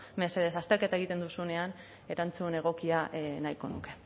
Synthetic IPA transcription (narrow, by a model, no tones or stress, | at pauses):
me̞se̞ðe̞sast̪e̞ɾke̞t̪aeɣit̪e̞nd̪usune̞an | e̞ɾant͡sune̞ɣ̞o̞kianajko̞nuke̞